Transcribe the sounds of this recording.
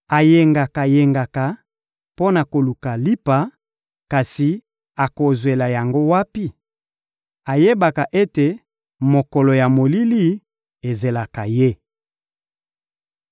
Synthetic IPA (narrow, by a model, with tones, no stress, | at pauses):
a˨je˨ŋɡa˨ka˨je˨ŋɡa˨ka˨ | po˦na˨ko˨lu˨ka˨li˦pa˨˦ | ka˨si˨ | a˨ko˨zwe˨la˨ja˨ŋɡo˦wa˦pi˦ | a˨je˦ba˨ka˨ʔe˦te˨ | mo˨kɔ˨lɔ˨ja˨mo˨li˦li˦ | e˨ze˨la˨ka˨je˦